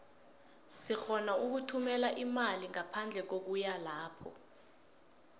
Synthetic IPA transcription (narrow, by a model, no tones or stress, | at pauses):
sixɔnauk̬utʰumɛlaʔimaliŋapʰand͡ɮʱɛk̬ok̬ujalaːpʰɔ̰